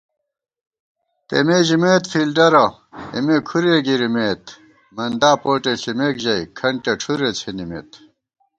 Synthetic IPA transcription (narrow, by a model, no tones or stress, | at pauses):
t̪ḛmeːʑimeːt̪fiːlɖɐɾɐ | ḭmekʰuɾeːɡiɾimeːt̪ | mɐnd̪aːpoːʈeɕimeːkʑɐikʰɐɳʈeʈ͡ʂʰuɾet͡sʰenimḛt̪